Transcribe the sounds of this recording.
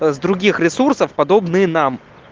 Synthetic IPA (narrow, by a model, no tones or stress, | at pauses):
zd̪ɾʊɡʲixɾʲɪsursəfpɐd̪obnɨjənam